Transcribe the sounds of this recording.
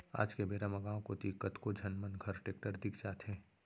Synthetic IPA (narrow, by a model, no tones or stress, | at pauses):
a̰ːd͡ʒkebeːɾamɐɡaːõkot̪ikət̪kod͡ʒənmənɡʱəɾʈeːkʈəɾd̪ɪkʰd͡ʒaːt̪ɦẽː